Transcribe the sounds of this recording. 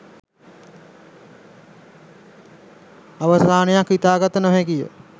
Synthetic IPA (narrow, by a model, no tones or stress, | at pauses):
aʋəsaːnejakit̪aːɡat̪ənoɦekijə̰